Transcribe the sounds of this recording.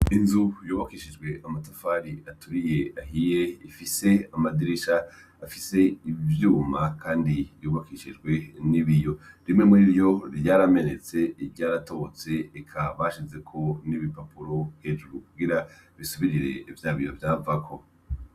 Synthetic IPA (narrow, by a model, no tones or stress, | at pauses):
inzujoːβakiʃid͡ʒɡwe̞ʔamatafaɾiatʰuɾije̞aɦije̞ifiseamadiɾiʃaː | fise̞ivjuːmakʰaːndijoːβakiʃid͡ʒɡwe̞niβijo̞ɾimŋe̞muɾiɾjo̞ɾjaɾame̞ne̞t͡se̞iɾɟaːɾato̞t͡se̞ːkʰaβaʃize̞kʰo̞niβipapuɾo̞hed͡ʒuɾukuɡiɾaβisuβiɾiɾe̞̰ivjaːβijovjaːvakʰo̞